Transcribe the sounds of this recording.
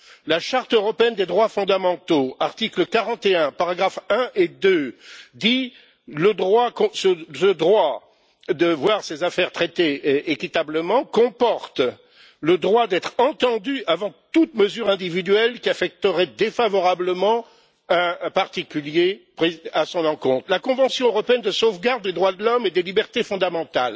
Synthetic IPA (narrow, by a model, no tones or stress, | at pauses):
laʃaʁt̪øʁɔpeɛnd̪ed̪ʁwafɔ̃d̪amɑ̃t̪oaʁt̪ikləkaʁɑ̃t̪eɛ̃paʁaɡʁafɛ̃ʔed̪ød̪i | ləd̪ʁwakɔ̃səsəd̪ʁwa | d̪əvwaʁsezafɛʁt̪χɛt̪eekʲit̪abləmɑ̃kɔ̃pɔʁt̪ | ləd̪ʁwad̪ɛt̪χɑ̃t̪ɑ̃d̪yavɑ̃t̪ut̪məzyʁɛ̃d̪ivid̪ɥɛlkʲiafɛk̚t̪əʁɛd̪efavɔʁabləmɑ̃ | ɛ̃paʁt̪ikʲyljepχiasɔ̃nɑ̃kɔ̃t̪χlakɔ̃vɑ̃sjɔ̃øʁɔpeɛnd̪əsovɡaʁd̪ːed̪ʁwad̪əlɔmed̪elibɛʁt̪efɔ̃d̪amɑ̃t̪al